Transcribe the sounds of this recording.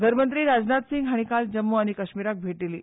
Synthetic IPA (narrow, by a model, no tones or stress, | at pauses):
ɡ̪ʱəɾmənt̪ɾiːɾad͡znat̪siŋɡɦaɽ̃ikald͡ʑəmːəaɽ̃ikəɕmiɾak̚bʱeʈliliː